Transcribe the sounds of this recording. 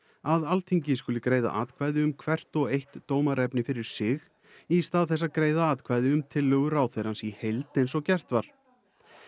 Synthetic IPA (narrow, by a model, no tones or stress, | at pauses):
aðalt̪ʰiɲcɪs̬kʏːlɪkɾeːjða̰ʔaːðkʰvajðɪʏmkʰvɛr̥t̪ɔɣejht̪ːoːwmaɾɛpnɪfɪɾɪɾ̥sɪx | ist̪aːðθɛs̬ːaðkɾeːjðaaːt̪kʰvajðɪʏmt̪ʰɪlːœːɣʏɾaːwθejɾansihejlt̪ejns̬ɔɣcɛr̥t̪vaɾ̥